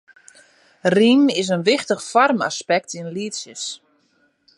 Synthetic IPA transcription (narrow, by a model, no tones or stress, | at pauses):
rimɪs̬ənʋɪxtəxfɔrma̰spɛk̚tʰinliətsjəs